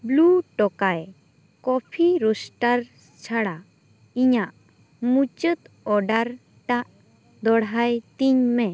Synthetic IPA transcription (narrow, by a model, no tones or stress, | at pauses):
bluʈɔkaj | kɔpʰiɾɔsʈaɾ | t͡ʃʰaɽa | iɲaʔ | mut͡ʃət̪ | ɔɖaɾ | ʈaʔ | d̪ɔɽɦajt̪iɲmɛ